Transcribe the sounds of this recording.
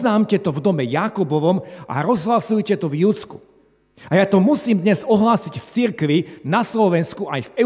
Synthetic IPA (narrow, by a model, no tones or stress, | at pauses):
naːmcɛt̪ɔvd̪ɔmɛjakubɔʋɔmʔa̰ɾɔzɦlasujcɛt̪ɔvjut͡sku̥ | ajaːt̪ɔmusiːmd̪ɲɛzɔɦlaːsicft͡siɾkʋinaslɔʋɛnskuʔajfɛ